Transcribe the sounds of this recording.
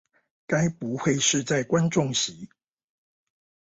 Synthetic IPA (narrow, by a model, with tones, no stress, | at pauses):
ka˦˥ɪpu˨˦xwe˥˧ɪʂɻ̩˥˧t͡sa˥˩ɪkwa˦nʈ͡ʂʊ˥˨˩ŋɕi˨˦